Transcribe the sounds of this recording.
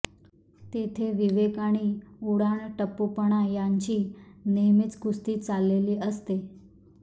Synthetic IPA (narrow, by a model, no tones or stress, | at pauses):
t̪et̪ʰeʋiʋekaɽ̃iːuɽaɳʈəpːupəɳ̃ajaɲt͡ɕiːneɦmit͡sɡust̪iːt͡salːeliːʔəst̪e